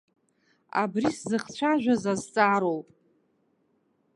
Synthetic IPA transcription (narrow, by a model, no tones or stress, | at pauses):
a̰briszɨχt͡ɕʷʰaʒᶣʷazazt͡sʼaɾowpʼ